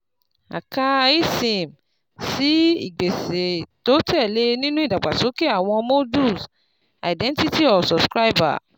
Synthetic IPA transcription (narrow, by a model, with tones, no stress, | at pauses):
a̰˨ka˧i˦sĩ˨m | si˨˦ḭ˨ɡ͡be˨se˨to˨˦tɛ˦˨le˧nĩ˦nũ˦i˦˨da˨ɡ͡ba˨so˨˦ke˦a˦˨w̃ɔ̃˧mo˦du˦˨s | a̰˨dɛ̃˦n˦ti˦ti˦ɔ˨sɔ˨bskɾa˦i˦ba̰˨